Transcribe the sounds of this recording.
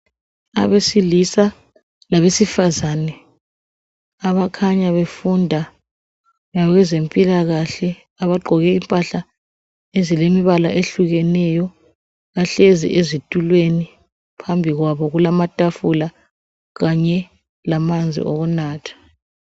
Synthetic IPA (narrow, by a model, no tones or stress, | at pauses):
a̰βesilisa | laβesifazanɛ | aβakʰaɲaβefundʱa | ŋaɣɛzempʼilaɣaɬɛ | aβaɡ͡ǃʱɔɣɛimpʼaɬa | ezilemiβala̰ʔeɬuɣɛnɛjɔ | ɣaɬezḭʔezitʼulweni | pʰambʱiɣwaβɔɣulamatʼafula | ɣaɲɛ | lamand͡zʱḭʔoɣunaːtʰḁ